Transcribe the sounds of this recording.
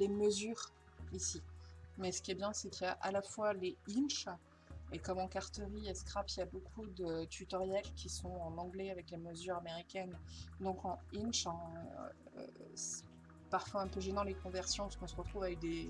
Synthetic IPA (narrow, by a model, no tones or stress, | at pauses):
leməzyːʁ | isimɛsə̥kʲiɛbjɛ̃sɛkijaʔalafwaleinʃ | ekɔmɑ̃kaʁt̪əʁiɛskχapiljabokʰud̪øt̪yt̪ɔʁjɛlkʲʰisɔ̃ɑ̃nɑ̃ɡlɛavɛkleməzyʁameʁikʲɛnd̪ɔ̃kɑ̃inʃɑ̰̃ | sɛ̥ | paʁfwaɛ̃pøʒenɑ̃lekɔ̃vɛʁsjɔ̃pḁskɔ̃səʁət̪χuvavɛk̚d̪e